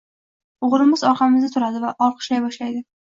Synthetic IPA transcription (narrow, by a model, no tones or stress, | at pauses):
ʊʁɾɪmɪzɒɾqʰɑmɪzat̪ʰʊɾad̪ɪvaʔɒlˠqʰɨ̥ʃlajbɒʃlajd̪ɪ